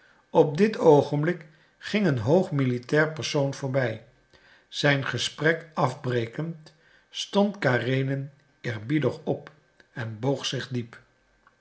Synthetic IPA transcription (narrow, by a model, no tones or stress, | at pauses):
ɔp̚dɪtowχəmblɪk | χɪŋənɦowχmilitɛːɹpəɹsownv̥ʊːɹbɛj | z̥ɛjnχəsprɛkɑvbrejkənt | stɔntkaːrejnən | ɪːɹbidəχɔp | ɛnbowχsɪχdip